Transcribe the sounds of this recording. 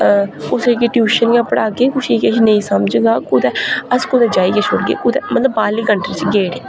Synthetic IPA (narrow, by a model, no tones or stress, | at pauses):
kʊsekɪʈjuːʃənɡaːpəɽaːkeːkʊʃiːkeʃʰnəĩːsəmd͡ʒɡaːkʊd̪ɛːəskʊd̪ɛːd͡ʒaːiːkeʃoɾɡḛːkʊd̪ɛːmət̪ləbaːliːɡəɳʈet͡ʃɡeːɽe